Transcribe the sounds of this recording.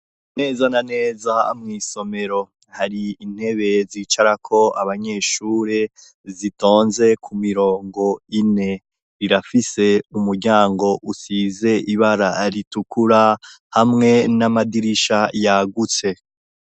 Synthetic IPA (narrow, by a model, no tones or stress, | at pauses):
ne̞ːzanane̞ːzaa̰mŋiːso̞me̞ɾo̞ | haɾiːn̥he̞βe̞ziːt͡ʃaɾakʰo̞aβaɲe̞ːʃuːɾe | zito̞ːnze̞kʰumiɾo̞ːŋɡo̞ine̞ | ɾiɾafise̞umuɾɟaːŋɡo̞ʔusize̞ʔiβaɾaɾitukuɾa | hamŋe̞namadiɾiʃajaɡut͡se̞